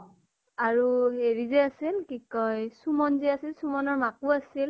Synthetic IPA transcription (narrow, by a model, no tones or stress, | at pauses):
aɹueɹizɛasilkikɔjsumɔnzɛasilsumɔnɔɹmakuasil